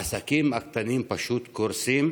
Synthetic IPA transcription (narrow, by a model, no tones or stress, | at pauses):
asakimak̚t̪animpaʃut̪kuɾsim